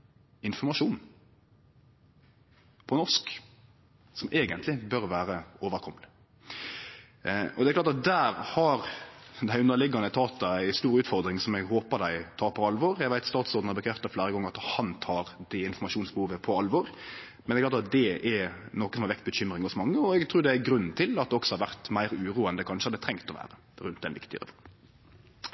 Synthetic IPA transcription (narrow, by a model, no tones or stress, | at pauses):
ɪnfɔmɑʂuːn | pʰɔnɔʂk | sɔmʔeːɡənt̪lɪbœɾʋæːɾəoːʋəɾkʰɔmːəlɪ | ʔɔd̪ɛklɑɾt̪ɑt̪̚d̪æːɾhɑɾd̪æɪʉnəlɪɡɑnət̪ʰɑːt̪ːɑæɪst̪uːɾʉːt̪fɔɾd̪ɾɪŋsɔmɛɡɦoːpəd̪æɪt̪ʰɑːɾpʰɔɑlʋɔɾjæɡʋæɪt̪st̪ɑːt̪sɔɾd̪n̩ɑbəkʰɾɛft̪ɑflæːɾəɡɔŋːəɾɑt̪hɑnt̪ʰɑːɾd̪ɛɪnfɔmɑʃuːnsbəhuːʋəpʰɔɑlʋɔɾ | mɛnɛɾklɑːt̪ɑt̪̚d̪ɛɛɾnɔkːəsɔmhɑɾʋɛk̚t̪̚bəçʏmɾɪŋɔsmɑŋːəɔɛɡt̪ʰɾuːd̪ɛæɡɾʉnːn̩t̪ʰɪlɑt̪̚d̪ɛɔksɔhɑɾʋæʁt̪mæɪɾʉːɾuːənd̪əkʰɑnʂəɑd̪ɛt̪ʰɾɛŋt̪ɔʋæ̰ːɾə | ɾʉnt̪d̪ɛnʋɪ̰kt̪ɪəɾɛ̰fɔɾm